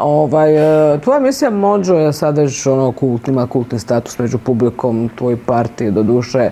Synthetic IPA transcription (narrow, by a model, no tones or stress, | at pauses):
oʋajt̪ʋo̞jaemisijamod͡ʒojasad̪ʃonokulˠt̪nimakulˠt̪nist̪aːt̪u̥smed͡ʑupubliko̞ːmt̪ʋojopaɾt̪ied̪od̪uʃe